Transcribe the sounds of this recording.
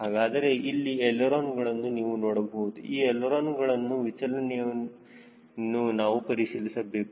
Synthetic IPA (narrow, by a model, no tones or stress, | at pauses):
ɦaːɡaːd̪ɐɾe̞ʔilːiɛlːɐɾoːnɡɐɭɐnːuniːʋunoːɽɐbɐɦud̪uiːɛlːɐɾoːnɡɐɭɐnːuʋit͡ʃɐlɐnɛjɐ | nːunaːʋupɐɾisilisɐbeːk